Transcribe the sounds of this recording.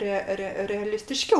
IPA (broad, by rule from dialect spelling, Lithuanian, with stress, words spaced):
ˈrʲɛ ˈrʲɛ rʲɛɐlʲɪsʲtʲɪˈʃʲkʲɛʊ